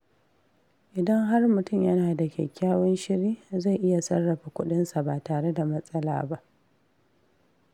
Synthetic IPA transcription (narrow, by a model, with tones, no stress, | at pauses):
ʔɪ˨dɐ˦ŋɦa˦rmʊ˨tʊ˦˨mjɐ˦naː˨da˨kʲɛ̰˨kʲːaː˦wɔ˦nʃɪ˦ɾiː˦za˦˨jʔɪ˦ja˨sɐ˦rːɐ˨ɸa˨kʷʊ˦ɗɪ˦nsa˨baː˨taː˨ɽe˦da˨mɐ˦sʼɐ˦la̰ː˨ba˦ʔ